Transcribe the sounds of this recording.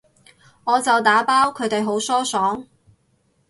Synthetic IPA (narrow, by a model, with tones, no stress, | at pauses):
ŋɔː˨˧t͡sɐ˨wt̪aː˨˥paː˥wkʰɵ˨˧ɥt̪e˨jɦo˨˥wsɔː˥sɔː˨˥ŋ